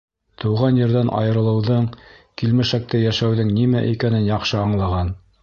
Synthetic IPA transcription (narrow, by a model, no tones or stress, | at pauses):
t̪ɤ̆wʁɑnjɘ̆ɾðænʔɑ̰jɤ̆ɾɤ̆lˠɤ̆wðɤɴkilmɘ̆ʃæk̚t̪æjæʃæwðɘŋnimæʔikænɘnjɑqʃɤɑɴlˠɑʁɑn